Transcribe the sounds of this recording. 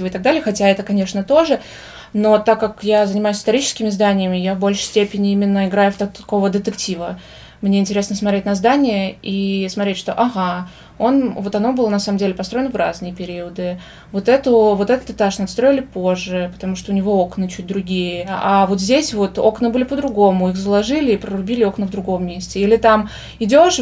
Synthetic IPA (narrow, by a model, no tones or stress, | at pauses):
vəɪt̪ɐɡ̚d̪alʲɪjəxɐtʲaɛt̪əkɐnʲe̞ʂnət̪o̞ʐɨ | no̞t̪akːakjazənʲɪmajʊsʲɪst̪ɐɾʲit͡ɕɪ̥skʲɪmʲɪzd̪anʲɪjɪmʲɪjavbo̞lʲʂɨ̥sʲtʲepʲɪnʲɪimʲɪnːəɪɡɾajʊft̪ɐko̞vəd̪ət̪ɨktʲivə | mnʲeɪnʲtʲɪɾʲe̞snəsmɐt̪ɾʲetʲnɐzd̪anʲɪjəismɐt̪ɾʲetʲʂt̪o̞̰ʔɐɣa | o̞nvo̞t̪ɐno̞bɨlˠənɐsaməmdʲelʲɪpɐst̪ɾo̞ɪnəvɾʔa̰znɨjəpʲɪɾʲiəd̪ɨ | vo̞t̪ɛt̪ʊvo̞t̪ɛt̪ət̪ɨt̪aʂnɐt̪st̪ɾoɪlʲɪpo̞ʐːɨpə̥t̪ɐmuʂt̪oʊnʲɪvo̞o̞knɨt͡ɕut̚ʲd̪ɾʊɡʲijəavo̞t̪zʲdʲesʲvo̞t̪o̞knɨbɨlʲɪpəd̪ɾʊɡo̞mʊixzəlˠɐʐɨlʲɪːpɾəɾʊbʲilʲɪo̞knəvd̪ɾʊɡo̞mːʲesʲtʲɪilʲɪt̪am | ɪdʲo̞ʂ